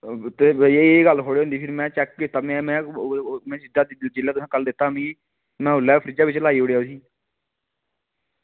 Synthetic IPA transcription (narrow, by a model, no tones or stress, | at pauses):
t̪eːɡəlkʰoːɽeːõnd̪iːpʰɪɾmɛ̃ːt͡ʃɛːk̚kɪt̪aːmɛ̃mɛ̃ːmɛ̃ːsɪd̪aːd̪ɪd͡ʒɪlːɛːt̪ʊsãːkəld̪ɪt̪ːaːmĩːɡiː | mɛ̃ːʊlːɛːpʰəɾiːd͡ʒaːʋɪt͡ʃlaːiːoːɽejaːʊsiː